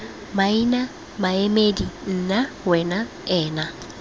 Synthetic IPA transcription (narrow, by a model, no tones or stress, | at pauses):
maina | maemedin̩na | wɛna | ɛːna